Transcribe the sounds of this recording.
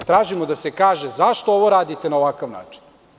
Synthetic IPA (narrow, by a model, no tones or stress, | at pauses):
t̪ɾaːʒimod̪ase̞kaːʒezaʃt̪ooʋo̞ɾaːd̪it̪enaoʋakaʋna̰ːt͡ʃi̥n